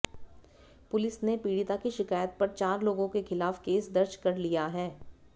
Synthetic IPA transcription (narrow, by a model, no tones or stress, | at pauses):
pʊlɪsnepiːɽit̪akiʃɪkaːjət̪̚pɐɾt͡ʃaːɾloːɡõkexɪlaːfkeːsd̪ɐɾd͡ʒkɐɾlijaɦɛː